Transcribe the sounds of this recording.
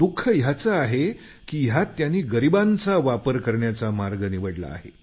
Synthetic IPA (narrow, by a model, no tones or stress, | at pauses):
d̪ukʰːəjat͡səaɦe | kiːjat̪janːiːɡəɾibant͡saʋapəɾkəɾɳjat͡samaɾɡəniʋəɽla̰ːɦḛ